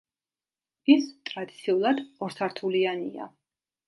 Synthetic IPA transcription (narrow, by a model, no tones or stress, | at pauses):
ist̪ʼɾad̪it̪sʰiulˠad̪ɔɾsʰaɾt̪ʰulianḭa̰